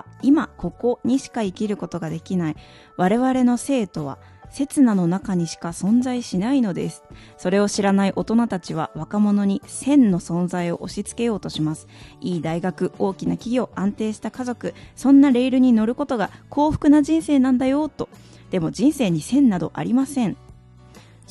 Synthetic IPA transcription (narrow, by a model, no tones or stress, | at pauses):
imako̞ko̞ɲ̟iɕi̥kaikʲiɾɯ̟ko̞t̪o̞ɡad̪e̞kʲinai | βaɾe̞βaɾe̞no̞se̞ːt̪o̞βa̰ | se̞t͡sɨnano̞nakaɲ̟iɕi̥kasõ̞nzaiɕinaino̞d̪e̞̰sɨ̥ | so̞ɾe̞o̞ɕiɾanaiʔo̞t̪o̞nat̪at͡ɕiβ̞a̰βakamo̞no̞ɲ̟isẽ̞nːo̞sõ̞nzaio̞̰ʔoɕit͡sɨ̥ke̞jo̞ːt̪o̞ɕimasɨ̥iːd̪aiɡakɯ̟o̞ːkʲinakʲiɡʲo̞ʔãnt̪e̞ːɕi̥t̪akazo̞kɯ̟sõ̞nːaɾe̞iɾɯ̟ɲ̟ino̞ɾɯ̟ko̞t̪o̞ɡakʰo̞ːɸɯ̟̥kɯ̟naʑĩɰ̃se̞ːnãnd̪ajo̞t̪o̞ | d̪̥e̞mo̞d͡ʑĩɰ̃se̞ːɲ̟isẽ̞nːad̪o̞̰ʔa̰ɾʲimasẽ̞ɴ